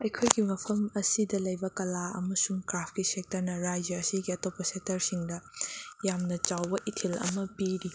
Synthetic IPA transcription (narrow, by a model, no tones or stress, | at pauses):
ɐjkʰojɡimɐpʰɐmɐsidɐlɐjbɐkɐlaɐ̰mɐsuŋkɾapʰkisek̚tɐɾnɐɾajd͡ʒɐɾɐsiɡiɐtopːɐsek̚tɐɾsiŋdɐjamnɐt͡ʃawbɐʔitʰilɐ̰mɐpiɾi